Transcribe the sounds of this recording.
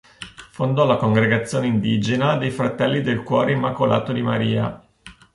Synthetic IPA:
fond̪ɔlakoŋɡɾeɡat̪sːjoːneind̪iːd͡ʒenad̪ejfɾat̪ɛlːid̪elkwɔːɾeimːakola̰ːt̪od̪imaɾiːa̰

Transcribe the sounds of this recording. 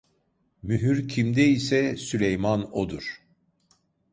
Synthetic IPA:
myɦyɾcʰimd̪ɛisɛsylʲejmanod̪uɾ̥

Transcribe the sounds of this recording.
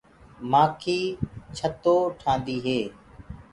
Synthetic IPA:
maːkʰiːt͡ʃʰət̪oːʈʰãːnd̪iːɦeː

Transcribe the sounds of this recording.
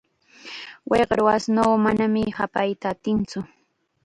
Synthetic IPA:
wʔeqɾwasnoːmanamɪhapajt̪at̪ɪnt͡sʊ

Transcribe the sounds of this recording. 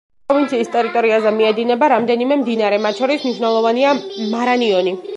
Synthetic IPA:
pɔvint̪sʰiːst̪ʼɛɾit̪ʼɔɾiazɛmiɛd̪inɛbaɾamd̪ɛnimɛmd̪inaɾɛmat̪̚t͡ʃʰɔɾismniʃwnɛlˠɔvaniamaɾaniɔni

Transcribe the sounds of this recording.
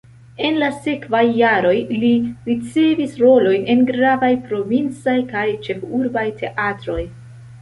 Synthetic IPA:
e̞nlase̞kvajːaɾo̞jliɾit͡se̞visɾo̞lo̞jne̞nɡɾavajpɾo̞vint͡sajkajt͡ʃe̞fuɾbajtʰe̞ʔatɾo̞j

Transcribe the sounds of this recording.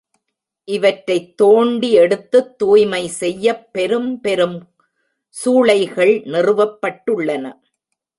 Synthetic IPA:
ʔɪʋɐʈɾɐɪt̪ːoːɳɖiɛɽɯt̪ːɯt̪ːuːjmɐɪsɛjːɐpːɛɾɯmpɛɾɯm | suːɭɐɪɣɐɭnɪrɯʋɐpːɐʈːɯɭːɐnɐ̰

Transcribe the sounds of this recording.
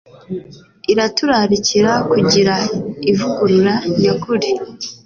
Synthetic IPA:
iɾatuɾaɾiciɾakuɟiɾaivuɡuɾuɾaɲakuɾi

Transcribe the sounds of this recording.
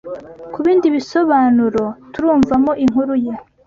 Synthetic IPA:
kuβiːndiβiso̞βaːnuɾo̞tuɾuːɱvamoʔiŋhuɾuje

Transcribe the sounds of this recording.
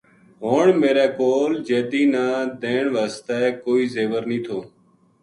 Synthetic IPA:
ɦoːɳmeːɾɛːkoːld͡ʒeːd̪iːnaːd̪ẽːɳʋəːst̪ɛːkoːiːzeːʋəɾnĩːt̪ʰoː

